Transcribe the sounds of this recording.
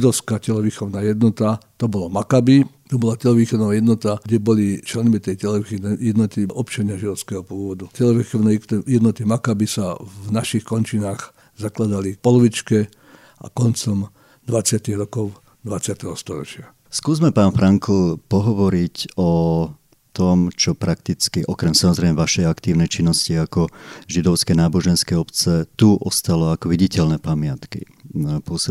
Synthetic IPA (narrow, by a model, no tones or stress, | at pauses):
id̪ɔʊskaːcɛlɔʋixɔʊnaːjɛd̪nɔt̪at̪ɔbɔlamakabit̪ɔbɔlacɛlɔʋiːxɔd̪nɔʋajɛd̪nɔt̪aɡɟɛbɔlit͡ʃlɛnmit̪ɛjcɛlɔʋixɔjɛd̪nɔt̪iʔɔpt͡ʃaɲɪaʒid̪ɔʊskɛɦɔpʊɔːʋɔd̪ucɛlɔʋixɔnɛjɛd̪nɔt̪imakabisavnaʃixkɔnt͡ʃinaːɣ | zaklad̪alipɔlɔʋit͡ʃkɛ | a̰kɔnt͡sɔm | d̪ʋat͡sɪat̪iɣɾɔkɔʊ | d̪ʋat͡sɪat̪ɛɦɔst̪ɔɾɔt͡ʃɪa | skuːzmɛpaːnfɾaŋkl̩pɔɦɔʋɔɾicɔ | t̪ɔmt͡ʃɔpɾakt̪it͡skiʔɔkɾɛmsamɔzɾɛɪmɛʋaʃɛjakt̪iːʊnɛjt͡ʃinːɔsciakɔʒid̪ɔʊskɛjnaːbɔʒɛnskɛjɔpt͡sɛt̪uʔɔst̪alɔakɔʋiɟicɛlnɛpamɪat̪kḭ | pʊɔsi